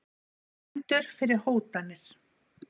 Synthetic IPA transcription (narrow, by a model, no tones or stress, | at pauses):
ɛnt̪ʏɾ̥fɪɾɪɾ̥hoːwt̪anːɪɾ̥